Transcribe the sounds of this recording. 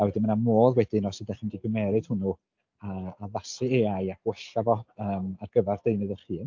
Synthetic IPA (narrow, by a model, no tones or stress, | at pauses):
awɛdɪnmənamoːðˠwɛdɪnɔsədaχəmdiɡəmɛɾɨd̥hʊnu | aːlˠasɨeajaɡwɛɬavɔəːmarɡ̥əvɛrd̥ejnɨðəχiːn